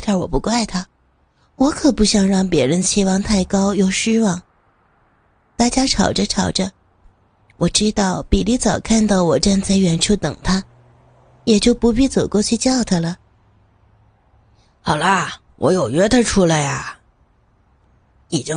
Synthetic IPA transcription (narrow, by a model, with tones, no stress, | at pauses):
t̪ʰa˥˩wɔ̰˨˩pu˧˥ka˥˩ɪt̪ʰa˥ | wɔ˧˥kʰɤ˨˩pu˥ɕjɑ˧˥ŋɻɑ˥˩ŋpjɛ˧˥ɻə˧˥nt͡ɕʰi˧˥wɑ˧ŋt̪ʰa˥˩ɪkɑ˥ʊjo˥˩ʊʂɻ̩˥wɑ˥˩ŋ | t̪a˥˩t͡ɕja˥ʈ͡ʂʰɑ˨˩ʊʈ͡ʂə˦ʈ͡ʂʰɑ˨˩ʊʈ͡ʂə˦ | wʔɔ˨˩ʈ͡ʂɻ̩˥t̪ɑ˥˩ʊpi˨˩li˥˩t͡sɑ˨˩ʊkʰa˥˧nt̪ɑ˥˩ʊwɔ˨˩ʈ͡ʂa˥˧nt͡sa˥˩ɪɥɛ˧˥nʈ͡ʂʰu˥˩t̪ɤ̰˨˩ŋt̪ʰa˥ | jɛ˨˩t͡ɕjo˥˩ʊpu˧˥p̬i˥˧t͡so˨˩ʊkwɔ˥˧t͡ɕʰy˥˧t͡ɕjɑ˥˩ʊt̪ʰa˥lə˩ | xɑ˨˩ʊlə˦ | wʔɔ̰˧˥jo˨˩ʊɥɛ˥t̪ʰə˧ʈ͡ʂʰu˥la˧˥ɪɐ˩ | i˨˩t͡ɕi˥